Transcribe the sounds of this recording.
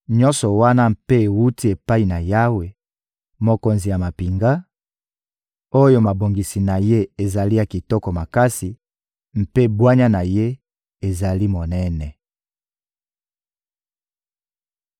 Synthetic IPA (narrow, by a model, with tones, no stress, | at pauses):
ɲɔ̃˦nsɔ˨wa˦na˦m̩pe˦e˨wu˦ti˦e˨pa˦i˨na˨ja˦we˨ | mo˨ko˨nzi˨ja˨ma˨pi˨ŋɡa˦ | o˦jo˦ma˨bo˨ŋɡi˨si˨na˨je˦e˨za˨li˦ja˨ki˨tɔ˦kɔ˨ma˨ka˦si˨ | m̩˨pe˦bwa˦ɲa˦na˨je˦ | e˨za˨li˦mo˨nɛ˦nɛ˨